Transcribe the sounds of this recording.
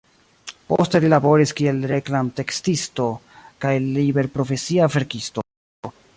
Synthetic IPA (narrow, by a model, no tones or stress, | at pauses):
poste̞lilabo̞ɾiskie̞lɾeklamte̞kstisto̞ | kajlibe̞ɾpɾo̞fe̞siave̞ɾkisto